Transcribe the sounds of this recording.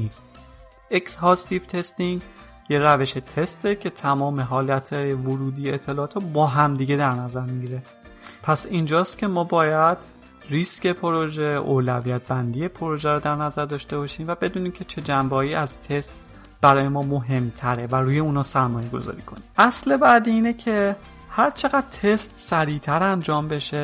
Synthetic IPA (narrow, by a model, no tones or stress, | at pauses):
iːst̪ | ekshɒːst̪ivt̪ʰe̞st̪iŋɡ | jeɾæve̞ʃet̪ʰe̞st̪ʰecʰe̞t̪ʰæmɒːme̞ɦɒːlæt̪ʰɒːjevoɾuːd̪iːjeet̪ʰːe̞lɒːt̪ʰɒbɒːɦæmd̪iɟe̞d̪æɾnæzæɾmiɟiɾe̞ | pʰæsiːnd͡ʒɒːst̪cʰʲe̞mɒːbɒːjæd̪̥ | risce̞pʰoɾoʒe̞ʔo̰ːlævijæt̪̚ʰbænd̪ije̞pʰoɾoʒæɾɔd̪æɾnæzæɾd̪ɒːʃt̪e̞bɒːʃiːmvæbe̞d̪uːniːmcʰe̞t͡ʃʰe̞d͡ʒæmbɒːiːæzt̪ʰe̞st̪ | b̥æɾɒːjemɒːmoɦe̞mt̪ʰæɾe̞væɾuːje̞uːnɒːsæɾmɒːje̞ɡo̞̰zɒ̰ɾiːkʰo̞̰niʔæsle̞bæd̪iiːnecʰe̞ | hæɾt͡ʃʰe̞ɣæd̪̥̚t̪ʰe̞st̪sæɾiːt̪ʰæɾænd͡ʒɒːmbe̞ʃe̞